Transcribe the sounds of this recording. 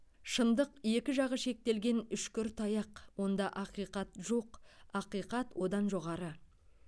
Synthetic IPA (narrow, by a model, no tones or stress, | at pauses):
ʃənd̪əqje̞kʲɪʒɑʁəʃe̞k̚t̪e̞lɡʲe̞nʏʃkʲʏɾt̪ʰɑjɑqwo̞nd̪ɑʔɑqijqɑt̪ʒo̞qɑqijqɑt̪wo̞d̪ɑnʒo̞ʁɑɾə